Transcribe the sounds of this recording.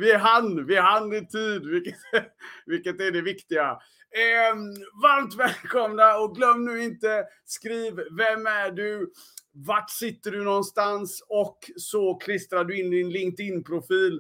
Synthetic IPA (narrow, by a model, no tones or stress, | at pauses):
vɪɦanvɪɦanːɪt̪ʰiːd̪vɪkːət̪vɪlkət̪æɖɛvɪkt̪ɪɡa | vaɾmt̪vɛːlkʰɔmnaɔɡlœmːnʉːɪnt̪ə | skɾiːvvɛmæɖɵ | vaʈsɪt̪ːəɖɵnɔnst̪ansɔksɔkʰlɪst̪ɾaɖɵɪnːɪnlɪŋt̪ɪnːpʰɾʊfiːl